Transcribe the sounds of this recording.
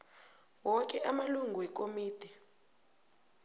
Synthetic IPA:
wɔk̬ʼɛʔamaluŋɡʱuwɛk̬omiːd̥ʰʱi

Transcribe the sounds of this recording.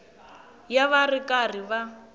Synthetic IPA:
jaβarikʼar̤iβa

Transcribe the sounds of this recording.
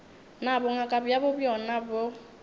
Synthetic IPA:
nabʊŋakʼabijabʊbjɔnabo

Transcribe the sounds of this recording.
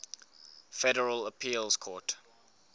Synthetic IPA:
fɛɾəɹələpʰiːlskʰɔt

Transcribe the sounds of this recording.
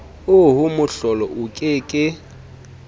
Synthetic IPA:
ʊɦʊmʊɬɔlɔʔʊkʼɪːkʼɪ

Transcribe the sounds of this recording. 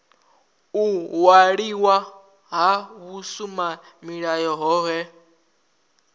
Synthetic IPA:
uwaɺiwa | ɦaβusuma | miɺajɔɦɔːɦɛ

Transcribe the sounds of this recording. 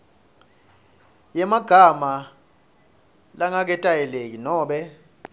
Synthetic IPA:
jɛmaɡ̥ʱama | laŋak̬ɛtʼajɛlek̬inɔːɓɛ

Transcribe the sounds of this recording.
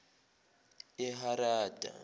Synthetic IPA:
ɛɦaɾaːdʱa̰

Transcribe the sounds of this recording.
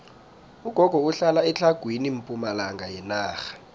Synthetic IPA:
uɡ̥ʱɔɡ̥ʱɔuɬalaɛt͡ɬʰaɡ̥ʱwinim̩pʼumalaŋɡʱajɛnaːxḁ

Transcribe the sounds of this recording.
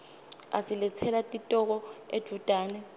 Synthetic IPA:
a̰silɛt͡sʰɛlatʼitʼɔk̬ɔed̥ʱud̥ʼʱaːnɛ

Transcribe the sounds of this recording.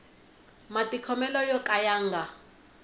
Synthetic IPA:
matʼikʰɔmɛlɔjɔkʼajaːŋɡa

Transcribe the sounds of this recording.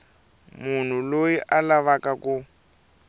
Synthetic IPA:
mun̤ulojiʔalaβakaku

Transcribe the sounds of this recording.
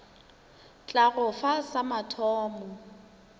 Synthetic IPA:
t͡ɬʼaɣʊfasamatʰɔːmɔ

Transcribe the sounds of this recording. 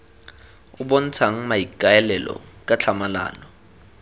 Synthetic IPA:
ʊbɔn̩t͡sʰaŋ̩maikʼaɛlɛlɔ̰kʼat͡ɬʰamala̰ːnɔ

